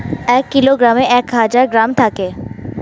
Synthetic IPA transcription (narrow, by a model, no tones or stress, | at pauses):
ɛːkːɪloɡɾaːmẽʔɛːkɦad͡ʒaːɾɡɾaːmʈ̪ʰaːkeː